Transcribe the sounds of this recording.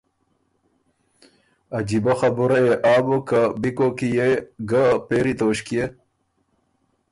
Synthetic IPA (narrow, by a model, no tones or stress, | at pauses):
ɐd͡ʑibɐxɐbuɾɐeʔaːbokabikokijeɡapeːɾit̪oːɕkie